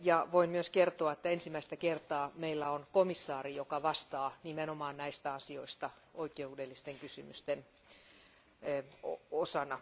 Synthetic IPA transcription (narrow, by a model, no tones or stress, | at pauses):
jɑʋoimmyøskert̪oɑet̪ːæensimæist̪ækert̪ɑːmeilːæonkomisːɑːrijokɑʋɑst̪ɑːnimenomɑːnnæist̪æɑsioist̪ɑ | oikeudelːist̪eŋkysymyst̪en | oosɑnɑ